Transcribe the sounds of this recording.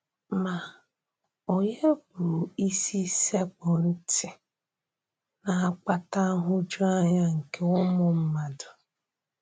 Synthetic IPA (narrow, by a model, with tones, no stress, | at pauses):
ma˨ | o˨ɲe˦bu˨u˨i˦si˦se˦k͡pɔ˨n̩˦tɪ˨ | na˨a˦k͡pa˦ta˦ɦʊ˦d͡ʒʊ˦a˦ɲa˦ŋ̩˨ke˦ʊ˦mʊ˨m̩˦ma˨dʊ˨